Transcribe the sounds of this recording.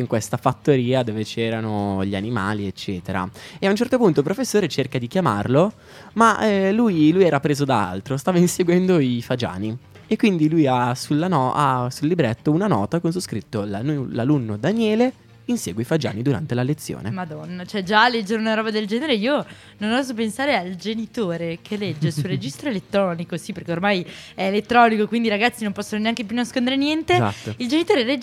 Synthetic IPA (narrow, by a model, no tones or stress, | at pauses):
iŋkwest̪afat̪ːoɾiːad̪oːvet͡ʃɛːɾanoʎianimaːliet͡ʃːɛːt̪eɾa̰eaunt͡ʃɛrt̪opunt̪op̬ɾofesːoːɾet͡ʃerkad̪ikjama̰rlo | maɛlujlujɛːɾapɾeːzod̪aa̰lt̪ɾost̪aːvainseɡwɛnd̪oifad͡ʒa̰ːni | ekːwind̪ilujasulːanɔasulːibɾɛt̪ːounanɔːt̪akonsoskɾit̪ːolaulalunːod̪anjɛːle | insɛ̰ːɡweifad͡ʒa̰ːnid̪uɾa̰nt̪elalet̪sːjo̰ːnemad̪ɔnːat͡ʃɛd͡ʒalːɛd͡ʒːeɾeunaɾɔːbad̪eld͡ʒɛːneɾeiːo | nonɔzop̬ensaːɾeald͡ʒenit̪oːɾekʰelɛd͡ʒːesulred͡ʒist̪ɾoelet̪ːɾɔːnikosiperɾkeormajɛelet̪ːɾɔːnikokwind̪iɾaɡat̪sːinõmpɔsːononeaŋkep̬junːaskond̪eɾenjɛnt̪ea̰t̪ːoild͡ʒenit̪oːɾeɾe